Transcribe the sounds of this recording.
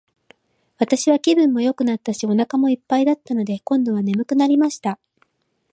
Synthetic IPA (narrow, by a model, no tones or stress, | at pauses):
βat̪aɕiβakʲibɯ̟̃mːo̞jo̞kɯ̟nat̪ːaɕio̞nakamo̞ipːaid̪at̪ːano̞d̪e̞kõ̞nd̪o̞β̞ane̞mɯ̟kɯ̟naɾʲimaɕi̥t̪a